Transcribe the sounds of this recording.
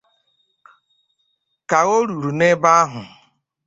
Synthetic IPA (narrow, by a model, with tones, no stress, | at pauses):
ka˨ɣo˦ɾu˨ɾu˨ne˦ba˦ɦʊ˨